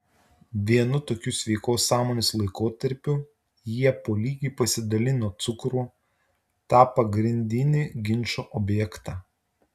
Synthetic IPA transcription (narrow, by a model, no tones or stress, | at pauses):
ʋʲiɛnʊt̪oːkʲʊsʲʋʲɛɪkoːsːɑːmoːnʲeslˠɐɪkoːt̪ɐɾʲpʲʊ | jiɛpoːlʲiːɡʲiːpɐsʲɪd̪ɐlʲɪnoːt̪sʊkɾuː | t̪ɑːpɐɡɾʲɪnʲd̪ʲɪnʲɪːɡʲɪnʲt͡ʃoːʔɔːbʲjɛkt̪ɑː